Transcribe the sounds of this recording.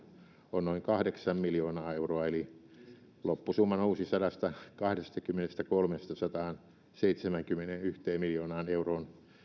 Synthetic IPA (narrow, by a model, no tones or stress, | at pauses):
onnoiŋkɑhdeksɑmmiljoːnɑːeuroɑeli | lopːusumːɑnuːsisɑdɑst̪ɑkɑhdest̪ɑkymːenest̪ækolmest̪ɑsɑt̪ɑːn | seit̪semæŋkymːenenyht̪eːmmiljoːnɑːneuroːn